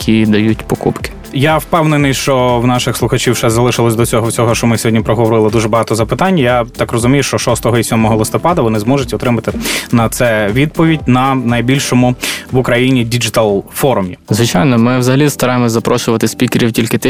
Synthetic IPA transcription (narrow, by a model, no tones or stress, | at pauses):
kʲʰid̪ɐjutʲpɔkṵpkɪ̥ | jawpɛwnɪnɪjʃt͡ʃɔwnɑʃɪxslˠʊxɐt͡ʃiwʃɛzɐlˠɪʃɪlˠɔsʲd̪ɔt͡sʲɔɦɔwt͡sʲɔɦɔʃt͡ʃɔmɪsʲɔɦɔdʲnʲipɾɔɦɔʋɔɾɪlˠɪd̪uʒɛbɐɦɑt̪ɔzɐpɪt̪ɑnʲːɐjat̪ɑkrɔzʊmʲijʊʃt͡ʃɔʃɔst̪ɔɦɔisʲɔmɔɦɔlˠɪst̪ɔpɑd̪ɐʋɔnɪzmɔʒʊtʲɔt̪ɾɪmɐt̪ɪnɐt̪sɛʋʲid̪̚pɔʋʲidʲnɐnɐjbʲilʲʃɔmʊʋʊkɾɐjinʲidʲid͡ʒɪt̪alˠfɔɾʊmʲizʋɪt͡ʃajnɔmɪwzɐɦɐlʲist̪ɐɾɑjemɔzɐpɾɔʃʊʋɐt̪ɪsʲpʲikeɾʲiwtʲilʲkɪt̪ɪ